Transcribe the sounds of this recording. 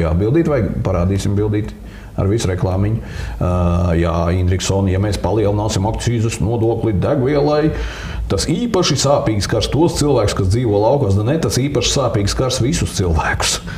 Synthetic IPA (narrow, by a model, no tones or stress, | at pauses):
ja̰d̪̚bilˠd̪iːt̪vajpaɾaːd̪iːsimbilˠd̪iːt̪ | a̰ɾvisɾɛklˠɑːmiɲ | ja̰ind̪ɾiksɔːnjameːspalˠiɛlˠnaːsimakt̪siːzusnuɔd̪uɔklʲˠid̪æɡviɛlˠaj | t̪asiːpaʃisaːpiːɡskaɾst̪uɔst̪ilˠʋæːkʊ̥skasd̪ziːʋuɔlˠɑwkaːsd̪anɛt̪asiːpaʃsaːpiːɡskaɾsʋisʊst̪silˠvæːkʊ̥s